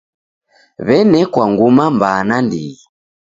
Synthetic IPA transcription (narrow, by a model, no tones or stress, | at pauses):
βɛnɛkwaŋɡumambanandi